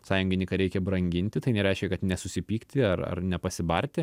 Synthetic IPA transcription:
sɑːjʊŋʲɡʲɪnʲɪkɐɾʲɛɪkʲɛbɾɐŋʲɡʲɪnʲt̪ʲɪt̪ɐɪnʲɛɾʲɛɪʃʲkʲɛkɐt̪nʲɛsʊsʲɪpʲiːkt̪ʲɪɐrɐ̰rnʲɛpɐsʲɪbɐrʲt̪ʲɪ

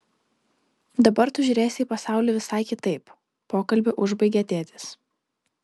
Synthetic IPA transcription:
d̪ɐbɐɾt̪ʊʒʲʊːɾʲeːsʲɪiːpɐsɑˑʊlʲeːʋʲɪsɑˑɪkʲɪt̪ɐɪp | poːkɐlʲbʲɪʔʊʒbɐɪɡʲɛɐt̪ʲeːt̪ʲɪs

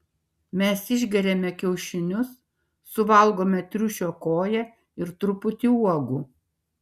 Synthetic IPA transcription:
mʲɛsɪʒʲɡʲɛɾʲɛmʲɛkʲɛʊʃʲɪnʲʊsː | ʊʋɐlˠɡoːmʲɛt̪ʲɾʲʊʃʲoːkoːjɛ | ɪɾt̪ɾʊpʊt̪ʲiuɔɡuː

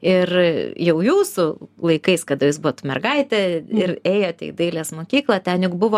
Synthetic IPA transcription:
ɪrjɛʊjuːsʊlˠɐɪkɐɪskɐd̪ɐjɪsbʊʋoːt̪ʊmʲɛ̰rɡɐɪt̪ʲɛɪreːjoːt̪ʲɛ̰ɪd̪ɐɪlʲeːsmoːkʲiːklˠɐt̪ʲɛnjʊkbʊʋoː

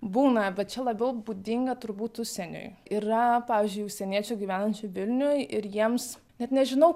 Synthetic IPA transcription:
buːnɐbʲɛt̪̚t͡ʃʲɛlˠɐbʲɛʊbuːd̪ʲɪŋɡɐt̪ʊɾbuːt̪ʊʃʲsʲɛnʲo̰ːjirɐpɑːʋʲiːzʲd͡ʒʲʊɪʊʃʲsʲɛnʲiɛt͡ʃʲoːɡʲiːʋʲæːnɐnʲt͡ʃʲʊʋʲɪlʲnʲʊjojʔɪɾjiɛms | nʲɛt̪nʲɛʒʲɪnɐʊ

